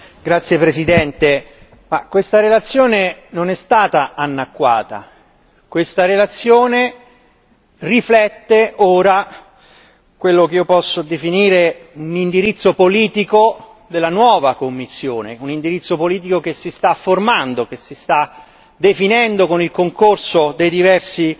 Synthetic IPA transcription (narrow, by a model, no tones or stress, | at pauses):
ɡɾat̪sːjepɾesid̪ɛnt̪e | ma̰kwest̪aɾelat̪sːjoːnenonɛst̪aːt̪aanːakːwa̰ːt̪a̰ | kwest̪aɾelat̪sːjoːne | riflɛt̪ːeoːɾa | kwelːokeiopɔsːod̪efiniːɾeunind̪iɾit̪sːopoliːt̪iko | d̪elːanwɔːvakomːisːjoːnḛunind̪iɾit̪sːopoliːt̪̬ikokesist̪afːormand̪okesist̪a | d̪efinɛnd̪okonilkoŋkorsod̪ejd̪ivɛrsi